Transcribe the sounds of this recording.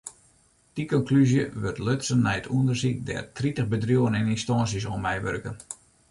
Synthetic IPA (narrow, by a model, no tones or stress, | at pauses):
d̥ikɔŋklyzjəʋørtløtsənːɛjətʰuəndərsik̚dɛ̰rtritəɣbədrjuənɛninstɔnsjəs̬omɛjʋø̰rkən